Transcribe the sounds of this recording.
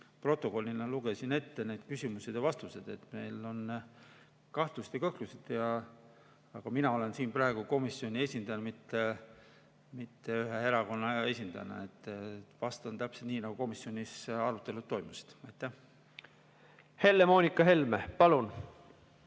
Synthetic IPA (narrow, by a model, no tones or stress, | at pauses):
pro̞t̪ːˑo̞ko̞lʲːinɑluɡ̥e̞sine̞t̪ːene̞d̪̥̚kysʲimused̪̥jɑvɑst̪use̞d̪̥e̞t̪me̞jlo̞n | kɑht̪lust̪jɑkɤhklused̪̥jɑː | ɡ̥ɑminɑo̞le̞nsiːnprɑˑeɡ̥uko̞misːio̞nʲie̞sʲind̪ɑjɑmit̪ːe | mit̪ːe̞yɦe̞e̞ɾɑko̞nːɑe̞sʲind̪ɑ̰jnɑ̰et̪ːˑvɑst̪ɑnt̪æpse̞lt̪niːnɑɡ̥uko̞misːjo̞nʲisɑɾut̪ːˑe̞lut̪ːo̞jmuse̥d̪̥ɑjt̪ːˑæh | he̞lːemoːnʲikɑɦe̞lmepɑlun